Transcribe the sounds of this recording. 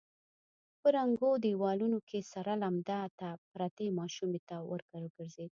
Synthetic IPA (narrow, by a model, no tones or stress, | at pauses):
pəɾaŋɡod̪iwɑlunokʰesaɾalamd̪at̪apɾat̪emɑʃumet̪awʔə̰ɾɡ̥aɾəɡəɾzed̪̚